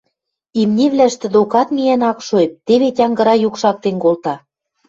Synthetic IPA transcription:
imnʲeβlæʃt̪ɘ̆d̪okɑt̪mʲijænɑkʃoep̚t̪eβetʲɑŋɡɤ̆ɾɑjukʃɑk̚t̪enkolt̪ɑ

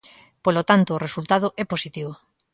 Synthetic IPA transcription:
polot̪ant̪oːresult̪aðoʔɛposit̪iβo

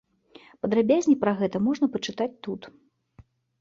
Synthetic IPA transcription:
pɐd̪ɾabʲazʲnʲipɾɐɣɛt̪ɐmɔʐnɐpɐt͡ʂɨt̪at͡sʲt̪ut̪

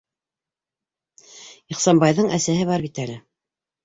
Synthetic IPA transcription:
iχsɑnbɑjðɤɴæsæɦɘβɑɾβit̪ælɘ

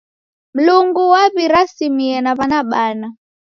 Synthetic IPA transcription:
m̩luŋɡuwaβiɾasimiɛnaβanaɓana

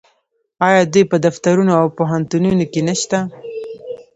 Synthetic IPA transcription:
ɑjɑd̪ujpəd̪aft̪aɾunoawpoɦant̪ununokenaʃt̪a

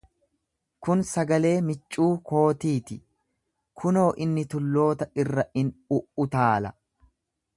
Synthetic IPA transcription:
kʊnsɐɡɐle̞ːmɪt͡ʃʼːuːkʰo̞ːt̪iːt̪ɪ | kʰʊno̞ːʔɪnːɪt̪ʊlːo̞ːt̪ɐʔɪrːɐʔɪnʊʔʊt̪aːlɐ̰

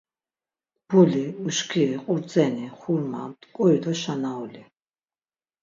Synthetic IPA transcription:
b̥uliuʃkʰiiqʼuɾd̪d͡zɛniχuɾma̰t̪ʼkʼɔid̪ɔʃanaɔli

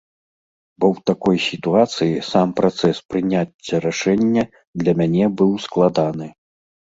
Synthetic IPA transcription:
bɔwt̪akɔjsʲit̪uat̪sɨjisampɾat̪sɛspɾɨnʲat͡sʲːɐɾaʂɛnʲːɐ | d̪lʲɐmʲanʲɛbɨwsklˠad̪anɨ

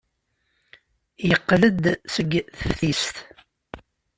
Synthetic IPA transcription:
jəqːləd̪səɡθflist̪

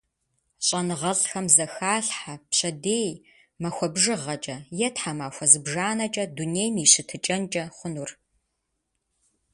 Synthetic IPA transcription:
ɕʼɐnɨʁɐɮxɐmzɐxaːɬħapɕɐdeːj | mɐxʷɔbʒɨʁɐt͡ʃʼɐjɛtħamaːxʷɔzɨbʒaːnɐt͡ʃʼɐdunejmiːɕɪtʰɨt͡ʃʼɐnt͡ʃʼɐχʷʊnur

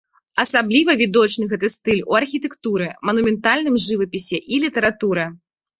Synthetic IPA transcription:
ɐsablʲivɐvʲid̪ɔt͡ʃnɨɣɛt̪ɐst̪ɨlʲṵɐrxʲit̪ɛkt̪uɾɨmɐnumʲɛnt̪alʲnɨmʐɨvɐpʲisʲɛʔilʲit̪ɛɾat̪uɾɨ

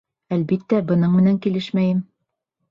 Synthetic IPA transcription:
ælbit̪ːæbɤ̆nɤɴmɘ̆næŋkilɘʃmæjɘm

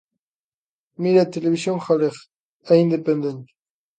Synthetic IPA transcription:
miɾat̪eleβisjonχaleχ | aind̪epend̪ent̪

